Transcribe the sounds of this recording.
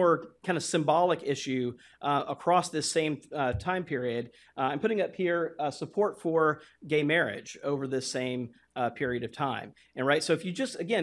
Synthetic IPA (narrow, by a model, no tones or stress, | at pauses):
ɔɹkʰãɪ̃ndəsɨ̃mbɑlˠəkɪʃʉ | ʔʔəkʰɹ̥ɔsðɪsẽɪ̃mtʰãɪ̃mpʰɪɹiɨd | ãɪ̃mpʰʊɾɪ̃ŋʌphiɹsəpʰɔɹtfə˞ɡẽɪmɛɹɪ̰d͡ʒoʊvə˞ðɪsẽɪ̃m | pʰɪɹiɨɾʌv̥tʰãɪ̃m | ɨ̃nɹaɪtsoʊɨfjɨd͡ʒʌstɨɡɛ̃